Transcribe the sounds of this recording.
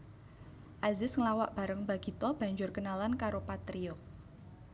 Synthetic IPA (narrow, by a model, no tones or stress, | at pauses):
ʔazɪsŋəlawa̰ʔb̥a̤ɾəŋbaɡ̥i̤t̪ɔb̥a̤ɲd͡ʒʊrkənalankaɾopat̪ɾio